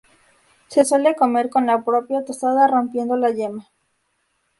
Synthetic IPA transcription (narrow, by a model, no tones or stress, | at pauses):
se̞swe̞le̞ko̞me̞ɾko̞nlapɾo̞pjat̪osað̞aro̞mpje̞nd̪o̞laʝema